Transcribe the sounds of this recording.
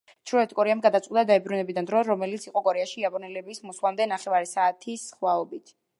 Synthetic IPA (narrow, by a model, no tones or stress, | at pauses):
t͡ʃʰɾɔɛt̪ʰkʼɔɾɛamɡad̪at̪sqʼwd̪ad̪aɛbɾunɛbid̪and̪ɾɔɾɔmɛlit̪sʰiqʼɔkʼɔɾɛaʃiapʼɔnɛlɛbismɔswlˠamd̪ɛnaχɛvaɾɛsaːt̪ʰisχwaɔbit̪ʰ